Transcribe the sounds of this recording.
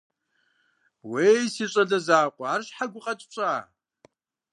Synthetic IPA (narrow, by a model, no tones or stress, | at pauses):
weːjsiːɕʷʼɐɮɐzaːqʷʼɔaːrɕħaɡʷʊqʼɐtʼɕʼaː